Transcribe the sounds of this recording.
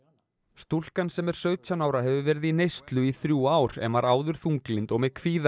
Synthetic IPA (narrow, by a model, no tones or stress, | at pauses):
st̪ul̥kansɛmɛɾ̥sœːɥt̪ʰanaːwɾaɦɛvʏvɛɾɪðinejst̪lʏiθɾjuːaːwɾ̥ɛ̰nvaɾaːwðʏɾ̥θuŋklɪnt̪ɔɣmɛðkʰviːða